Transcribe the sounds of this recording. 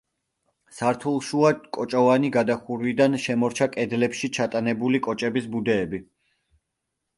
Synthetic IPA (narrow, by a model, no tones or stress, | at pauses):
saɾt̪ʰulˠʃuakʼɔt͡ʃʼɔvaniɡad̪aχuɾvid̪anʃɛmɔɾt͡ʃʰakʼɛd̪lɛpʃit͡ʃʰat̪ʼanɛbulikʼɔt͡ʃʼɛbisbud̪ɛːbi